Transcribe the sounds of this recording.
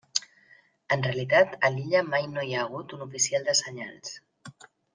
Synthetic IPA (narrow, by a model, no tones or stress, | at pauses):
ənreəlit̪at̪əliʎəmajnojaːɣ̞ut̪unufisialˠd̪əsəɲa̰lˠs